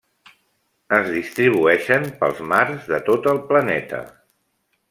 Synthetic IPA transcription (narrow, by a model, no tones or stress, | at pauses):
əzðist̪ɾiβ̞uɛʃəmpə̰lˠzmaɾzðət̪ot̪əlˠplənɛt̪ə̰